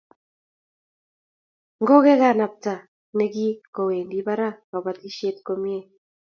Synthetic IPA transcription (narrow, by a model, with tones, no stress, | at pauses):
ŋɡo˦ɣɛ˦ɣa˦˨na˨p̚ta˨ | nɛ˦ɡi˦ko˨we˨ndi˦βa˦ɾa˦ka˨βa˨ti˦ʃje˦t̪ko˦mje˦